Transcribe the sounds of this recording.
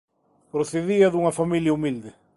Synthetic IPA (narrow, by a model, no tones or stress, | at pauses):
pɾoθeðiɐðuŋɐfamiljɐumild̪e